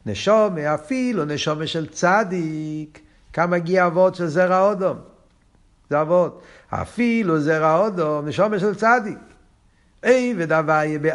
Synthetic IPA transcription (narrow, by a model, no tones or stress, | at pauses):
nɛʃɔmeafilunɛʃɔməʃɛlt͡sadik | kːamaɡiavɔdʃɛlzɛʁaɔdɔm | zɛavɔt | a̰filuzɛʁaɔdɔmnɛʃɔməʃɛlt͡sadik | eɪvedavajebe